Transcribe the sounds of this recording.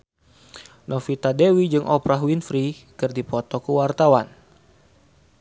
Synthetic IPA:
nʔɔfit̪adewid͡ʒɨŋʔɔpɾaɦwinfɾikɨrdipɔt̪ɔkəwart̪awan

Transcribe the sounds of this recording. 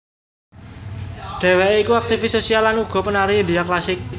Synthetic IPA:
ɖ̪̥e̤wɛikuak̚t̪ifɪsːosialːanuɡ̥ɔ̤pənaɾid̪iaklasɪk̚

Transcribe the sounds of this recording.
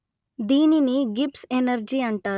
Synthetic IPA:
d̪iːniniɡipsenɐɾd͡ʒiɐɳʈaː

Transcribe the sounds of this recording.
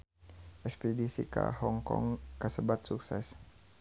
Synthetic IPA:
ʔɛkspidisika̰hɔŋkɔ̰ŋkəsəbat̪̚suksɛs

